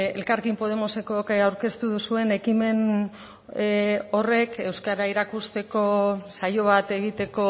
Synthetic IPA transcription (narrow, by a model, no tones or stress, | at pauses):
e̞lkaɾkimpo̞ðe̞mose̞kokawɾke̞st̪uðusue̞ne̞kime̞n | o̞re̞ke̞wskaɾaiɾakust̪e̞ko̞sajo̞β̞at̪e̞ɣit̪e̞ko̞